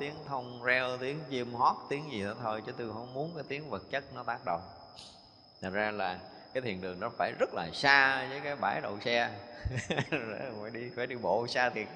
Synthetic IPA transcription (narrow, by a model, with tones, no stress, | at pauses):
t̪i˨˦əŋt̪ʰə˧wŋ͡mzɛ˧wt̪i˨˦əŋt͡ɕi˧əmhɔ˦˥t̚t̪i˨˦əŋzi˨˩nɔ˨˦t̪ʰo˧jt͡ɕɨ˨˦t̪u˧ɦə˧˩wŋ͡mmu˨˦ənkaː˨˦jt̪i˨˦əŋvə˨˩t̚t͡ɕə˦˥t̚nɔ˨˦t̪aː˦˥k̚ɗə̰˨wŋ͡m | t̪ʰə˨˩t̚zaː˧laː˨˩ | kaː˨˦jt̪ʰḭ˧˨˩ənɗɨ˨˩əŋnɔ˨˦faː˧˩jzə˦˥t̚la̰ː˨˩saː˧vəː˨˦jkaː˨˦jɓaː˧˩jɗə̰˧˨wsɛ˧ | e˧˩˨vɔ˧˩jɗi˧faː˧˩jɗi˧ɓo̰˧˨saː˧t̪ʰi˨˩ət̚